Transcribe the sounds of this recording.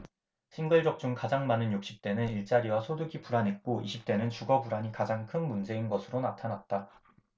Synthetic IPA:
ɕʰinɡɯɭd͡ʑʌk̚t͡ɕ͈uŋkad͡ʑaŋmanɯnjok̚ɕ͈i̥p̚t͈e̞nɯniɭt͡ɕ͈aɾiwasʰoduɡipuɾanɦe̞t̚k͈oʔiɕʰip̚t͈e̞nɯnt͡ɕuɡʌbuɾaɲikad͡ʑaŋkʰɯnmund͡ʑe̞inɡʌsʰɯɾonatʰanat̚t͈a

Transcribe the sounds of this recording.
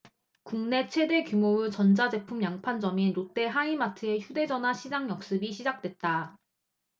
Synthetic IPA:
kuŋne̞t͡ɕʰwe̞de̞kjumoɯt͡ɕʌnd͡ʑad͡ʑe̞pʰumjaŋpʰand͡ʑʌmiɾot͈e̞ɦaimatʰɯe̞çjude̞d͡ʑʌnɦaɕʰid͡ʑaŋjʌk̚s͈ɯbiɕʰid͡ʑak̚t͈we̞t̚t͈a

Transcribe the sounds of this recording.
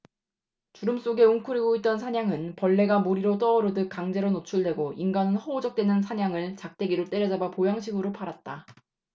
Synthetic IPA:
t͡ɕuɾɯms͈oɡe̞uŋkʰuɾiɡoit̚t͈ʌnsʰaɲaŋɯnpʌɭːe̞ɡamuɾiɾot͈ʌːɾodɯk̚k͈aŋd͡ʑe̞ɾonot͡ɕʰuɭdwe̞ɡoinɡanɯnhʌod͡ʑʌk̚t͈we̞nɯns̬ʰaɲaŋɯɭt͡ɕak̚t͈e̞ɡiɾot͈e̞ɾjʌd͡ʑabapojaŋɕʰiɡɯɾopʰaɾat̚t͈a

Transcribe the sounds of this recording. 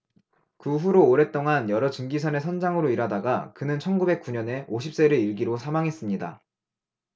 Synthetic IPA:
kɯɸuɾoːɾe̞t͈oŋanjʌɾʌt͡ɕɯŋɡisʰʌne̞sʰʌnd͡ʑaŋɯɾoiɾadaɡakɯnɯnt͡ɕʰʌnɡube̞k͈̚uɲʌne̞oɕʰip̚s͈e̞ɾɯiɭɡiɾosʰamaŋɦe̞s͈ɯmɲida̰

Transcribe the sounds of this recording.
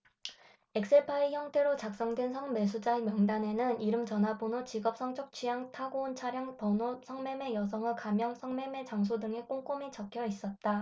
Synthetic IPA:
e̞k̚s͈eɭpʰaiçjʌŋtʰe̞ɾot͡ɕak̚s͈ʌŋdwensʰʌŋme̞s̬ʰud͡ʑaemjʌŋdane̞nɯniɾɯmt͡ɕʌnɦabonot͡ɕiɡʌp̚s͈ʌŋt͡ɕ͈ʰok̚t͡ɕʰɥijaŋtʰaɡount͡ɕʰaɾjaŋpʌnosʰʌŋme̞me̞jʌsʰʌŋɯɭkamjʌŋsʰʌŋme̞me̞t͡ɕaŋs̬ʰodɯŋe̞k͈oŋk͈omit͡ɕʌkʰjʌis͈ʌt̚t͈a

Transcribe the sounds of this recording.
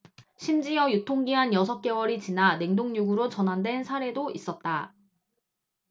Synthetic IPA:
ɕʰimd͡ʑijʌjutʰoŋɡiɦanjʌsʰʌp̚k͈e̞wʌɾit͡ɕinane̞ŋdoŋɲuɡɯɾot͡ɕʌnɦandwe̞nsʰaɾe̞dois͈ʌt̚t͈a

